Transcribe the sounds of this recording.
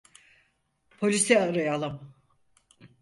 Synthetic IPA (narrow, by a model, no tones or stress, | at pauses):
pʰo̞lʲisiaɾajalˠɯm